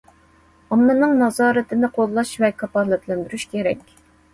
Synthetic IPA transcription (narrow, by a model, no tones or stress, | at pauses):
ɑmːɨnɨŋnɑzɑːɾɨt̪ʰɪnɨqʰolˠːɑʃvɛkʰɑpɑlˠɛt̪ʰlɛnd̪yɾyʃkʲʰeɾɛkʲ